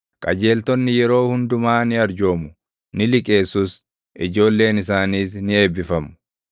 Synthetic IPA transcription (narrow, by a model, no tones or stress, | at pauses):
kʼɐd͡ʒe̞ːlt̪ɔnːɪjɛɾo̞ːhʊnd̪ʊmaːnɪɐɾd͡ʒo̞ːmʊ | nɪlɪkʼe̞ːsʊs | ʔɪd͡ʒo̞ːlːe̞ːnɪsaːniːsnɪe̞ːbːɪfɐmʊ̥